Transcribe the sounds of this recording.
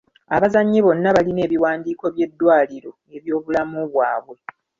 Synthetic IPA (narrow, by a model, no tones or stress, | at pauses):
aβazaɲːiβo̞nːaβaline̞ːβiwaːndiːko̞βje̞dːwaːliɾo̞ | e̞βjo̞ːβulamuβwaːβwe̞